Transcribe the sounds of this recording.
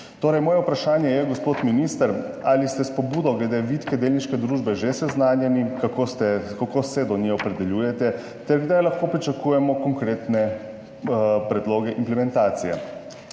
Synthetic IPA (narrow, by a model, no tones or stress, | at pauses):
t̪oːɾɛjmɔːjɛupɾaʃaːnjɛjɛɡɔspoːt̪minist̪əɾ | alist̪ɛspɔbuːd̪ɔɡlɛd̪eʋit̪kɛd̪eːlniʃkɛd̪ɾuːʒbɛʒesɛznaːnjɛnikakot̪ɛkakosɛd̪ɔnjɛɔpɾɛd̪ɛlʲjuːjɛt̪ɛ | t̪ɛɾɡd̪ajlaxkoːpɾit͡ʃakuːjɛmɔkɔŋkɾeːt̪nɛ | pɾɛd̪loːɡɛʔimplɛmɛnt̪aːt̪sijɛ̰